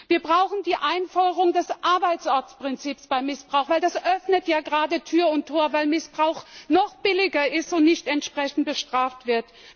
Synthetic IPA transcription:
viːɐbʁaʊxn̩diːʔaɪnfɔdəʁʊŋdɛsʔaɐbaɪt͡sʔɔɐt͡spʁ̥ɪnt͡siːpsb̥aɪmɪsb̥ʁaʊxv̥aɪldasʔœfnətjaːɡəʁaːdətʰyːɐʊntʰːoːɐvaɪlmɪsb̥ʁaʊxnɔχb̥ɪlɪɡɐɪstʊntnɪçtɛntʃpʁ̥ɛçn̩t̚b̥əʃtʁ̥aːftv̥ɪɐt

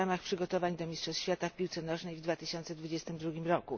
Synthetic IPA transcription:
amaxpʂɘɡɔt̪ɔvaɲd̪ɔmʲistʂɔsɕfʲjat̪afpʲiwt̪sɛnɔʐnɛjvd̪vat̪ɘɕɔnt̪sɛd̪vud͡ʑɛst̪ɘmd̪ɾuɡʲimɾɔku

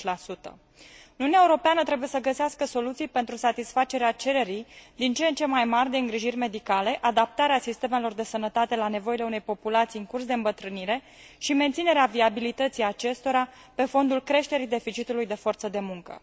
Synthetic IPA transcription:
lasut̪ə̰ | ɨnunɛaeuɾo̞peanət̪ɾe̞buje̞səɡəseaskəso̞lut̪sijpe̞nt̪ɾusat̪isfat͡ʃe̞ɾeat͡ʃe̞ɾe̞ɾijd̪int͡ʃent͡ʃe̞majmarʲd̪e̞ɨŋɡɾiʒirʲme̞d̪ikale̞ʔad̪ap̚t̪aɾeasist̪eme̞lo̞rd̪e̞sənət̪at̪e̞lane̞vo̞ile̞une̞jpo̞pulat̪siɨŋkurs̬d̪e̞ɨmbət̪ɾɨniɾe̞ | ʃiment̪sine̞ɾeaviabilit̪ət̪sijat͡ʃe̞st̪o̞ɾa | pe̞fo̞nd̪ulkɾe̞ʃt̪e̞ɾid̪e̞fit͡ʃit̪ulujd̪efo̞rt̪səd̪e̞muŋkə̰

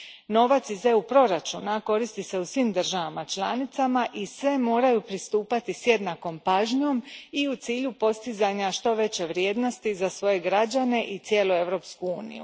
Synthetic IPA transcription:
no̞ʋat̪sizeupɾo̞ɾat͡ʃunako̞ɾist̪ise̞usʋimd̪r̩ʒaʋamat͡ʃlˠanit̪samaʔisʋe̞mo̞ːɾajupɾist̪uːpat̪isje̞d̪nako̞mpaːʒɲo̞miut̪siːʎupo̞st̪izaɲaʃt̪o̞ʋe̞t͡ɕe̞ʋɾje̞ːd̪no̞st̪izasʋo̞je̞ɡɾad͡ʑane̞ʔit̪sje̞ːlue̞ʋɾo̞ːpskuuːnḭjṵ

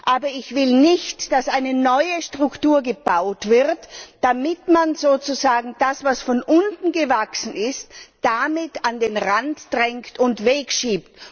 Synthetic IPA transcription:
ʔaːbɐɪçv̥ɪlnɪçtd̥asʔaɪnənɔʏəʃtʁ̥ʊktuːɐɡəb̥aʊtv̥ɪʁtd̥amɪtmanzoːt͡suzaːɡŋ̩d̥asvasfɔnʔʊntn̩ɡəvaksn̩ɪstd̥amɪtandeːnʁantd̥ʁɛŋktʊntveːkʃiːpt

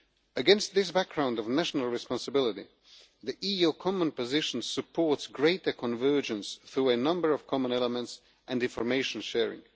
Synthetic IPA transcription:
ɨɡɛ̃nst̪̚ðɪsbæk̚ɡ̥ɹãʊ̃ndɔvnæʃnəl̩ˠɹɨspɑ̃nsəbɪlˠɪɾi | ðiʔijukʰɑmə̃npɨzɪʃn̩sɨpʰɔɹtsɡɹeɪtə˞kʰə̃nvɜ˞d͡ʒə̃nsθɹuənʌ̃mbə˞ʌv̥kʰɑmə̃nɛlˠəmə̃nts | ʔæ̃ndɪ̃nfəɹmeɪʃə̃nʃɛɹɪ̰̃ŋ

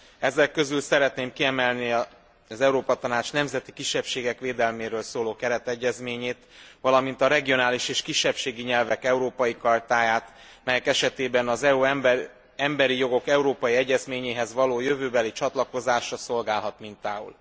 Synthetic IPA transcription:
ɛzɛkːø̞zylsɛɾɛt̪neːmkiɛmɛlniɒ | zɛuɾoːpɒt̪ɒnaːt͡ʃnɛmzɛt̪ikiʃːɛpʃeːɡɛkʋeːd̪ɛlmeːɾøːlsoːloːkɛɾɛt̪ɛɟːɛzmeːɲeːt̪ʋɒlɒmint̪ɒɾɛɡijo̞naːliʃeːʃkiʃːɛpʃeːɡiɲɛlvɛkɛuɾoːpɒjikɒrt̪aːjaːt̪ | mɛjɛkɛʃɛt̪eːbɛnɒzɛu | ɛmbɛɾijo̞ɡo̞kɛuɾoːpɒjiɛɟːɛzmeːɲeːɦɛzʋɒloːjø̞vøːbɛlit͡ʃɒt̪lɒko̞zaːʃrɒso̞lɡaːlɦɒt̪mint̪aːṵl

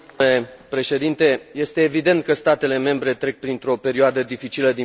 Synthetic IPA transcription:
le̞pɾe̞ʃe̞d̪int̪e̞je̞st̪e̞ːvid̪e̞nt̪̚kəst̪at̪e̞le̞me̞mbɾe̞t̪ɾe̞k̚pɾint̪ɾo̞pe̞ɾioad̪əd̪ifit͡ʃiləd̪i

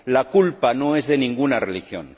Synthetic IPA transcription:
lakulpanoezðenĩŋɡunarelixjo̰n

